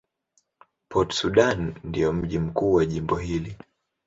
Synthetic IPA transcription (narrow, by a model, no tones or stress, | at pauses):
pʰɔtsuɗanndijɔm̩ʄim̩kuːwaʄimbɔɦili